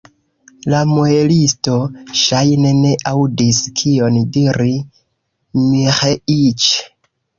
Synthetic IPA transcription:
lamoelisto̞ʃajne̞ne̞ʔawdiskʰio̞ndiɾi | miχeit͡ʃ

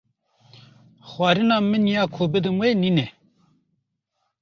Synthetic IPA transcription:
xwaːɾinaːminjaːkʰoːbed̪ɐmwenine

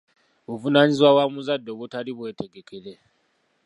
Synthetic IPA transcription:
uvunaːɲizwawamuzadːo̞βutaliβwe̞ːte̞ɡe̞kʰe̞ɾe̞

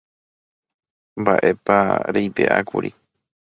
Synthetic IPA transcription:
mbaʔepaɾejp̪ḛʔa̰kuɾi

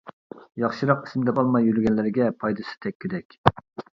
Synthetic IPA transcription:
jɑχʃiɾɑqi̥smd̪ɛpɑlˠmɑjyɾɡʲɛnlɪɾɡʲɛpʰɑjd̪ɨsɨ̥t̪ʰɛkʲːed̪ɛkʲ

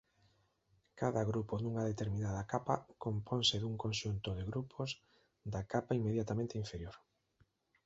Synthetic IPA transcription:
kaðaɣɾupoðuŋaðet̪eɾminaðakapakompʰɔnsɪðuŋkõnʃunt̪oðeɣɾupʰoz | d̪akapaimːeðjat̪amẽnt̪eiɱfeɾjoɾ

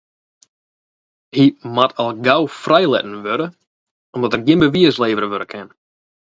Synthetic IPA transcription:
himatʰɔlˠɡawfrɛjlɛ̰tn̩ʋøɾə | ɔmdɔtərɡɪmbəʋiəsleːvəɾəʋøɾəkʰɛn

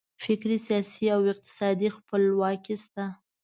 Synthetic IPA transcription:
fɪkɾisjɑsiawɪq̚t̪ɪ̥sɑd̪ixpəlwɑkist̪a

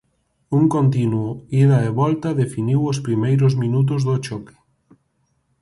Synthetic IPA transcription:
uŋkont̪inwoiðaeβɔlt̪aðefiniwospɾimejɾʊzmĩnut̪̬ʊzðʊt͡ʃɔkɪ̥

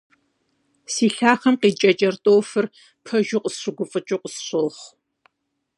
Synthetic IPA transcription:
siːɬaːχɐmqiːt͡ʃʼɐt͡ʃʼɐrtʼoːwfɨr | pʰɐʒʊqʷʼəsɕʷʊɡʷʊfʼɨt͡ʃʼɪqʷʼəsɕʷɨlχ

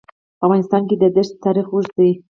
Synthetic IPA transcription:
pəavɣɑnɪst̪ɑnked̪əd̪əʃt̪ːɑɾixuʒd̪i

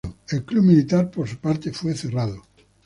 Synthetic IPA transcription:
oelklumilit̪aɾpoɾsupaɾt̪efweθerað̞o

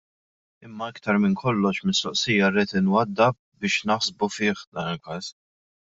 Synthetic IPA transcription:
ɪmːɐɪkt̪ɐɾmɪnkʰɔlːɔʃmɪst̪ɔʔsɪjːɐɾiːt̪ɪnwɐd̪ːɐ | bɪːʃnɐħsbufɪːħd̪ɐːnɪlkɐːs

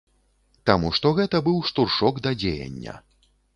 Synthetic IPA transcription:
t̪amuʂt̪ɔɣɛt̪ɐbɨwʂt̪urʂɔɡd̪ɐd͡zʲejɐ̰nʲːɐ̰

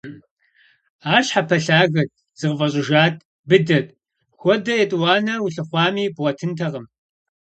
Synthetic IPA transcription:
aːɕħapʰɐɬaːɣɐt̚ | z̥ɨʁvɐɕʼɪʒaːt̚ʰʼ | bɨdɐt̚ʼ | xʷɔdɐjɛtʼwɑːnɐwʊɬɨχʷɑːmiːbʁɐtʰɨntʰɐʁəm

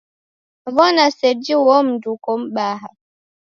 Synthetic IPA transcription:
vɔnasɛd͡ʒiwɔm̩dukɔm̩ɓaɦa

